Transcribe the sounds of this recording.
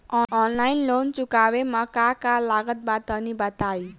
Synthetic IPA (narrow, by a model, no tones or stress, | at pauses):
ɔɔnlajnlont͡sukawemakakalaɡʌt̪̚bat̪ʌnibʌt̪aj